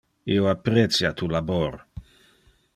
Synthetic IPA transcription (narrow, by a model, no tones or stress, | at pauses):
ioapːɾet̪sjat̪ʰulabor